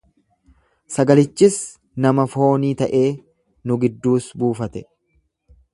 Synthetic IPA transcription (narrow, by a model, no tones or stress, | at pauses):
sɐɡɐlɪt͡ʃːɪs | nɐmɐfo̞ːniːt̪ɐʔe̞ː | nʊɡɪd̪ːuːsbuːfɐt̪ɛ